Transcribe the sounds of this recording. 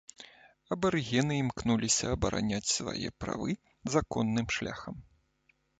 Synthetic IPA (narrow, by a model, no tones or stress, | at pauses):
ɐbɐɾɣʲɛnɨimknulʲisʲɐːbɐɾa̰nʲat͡sʲsva̰jɛ̰pɾa̰vɨ | zakɔnːɨmʂlʲa̰xɐm